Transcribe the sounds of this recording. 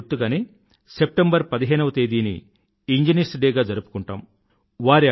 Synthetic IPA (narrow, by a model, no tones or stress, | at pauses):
t̪ːuɡaːniː | sep̚ʈembɐɾpɐd̪iɦeːnɐʋɐt̪eːd̪iːnḭ | iɲd͡ʒinisʈɖeːɡaːd͡ʒɐɾupu̥kuɳʈaːm | ʋaːɾi